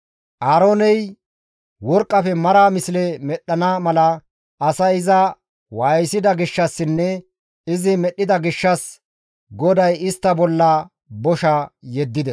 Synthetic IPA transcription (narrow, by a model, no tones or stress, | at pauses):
ʔaːɾoːnɛj | wɔɾkʼːɐfɛmɐɾaːmɪslɛmɛɗːɐnaːmɐlɐ | ʔːsɐɪzɐ | wɐjsɪd̪ɐɡɪʃːɐsːɪnːɛ | ɪzɪmɛɗːɪd̪ɐɡɪʃːɐs | ɡɔd̪ɐjɪst̪ːɐbɔlːɐ | bɔʃɐjɛd̪ːɪd̪ɛs